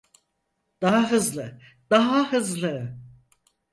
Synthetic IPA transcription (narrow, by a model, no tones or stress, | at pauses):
d̪̥aɦaɦɯzlˠɯ | d̪̥aɦahɯzlˠɯ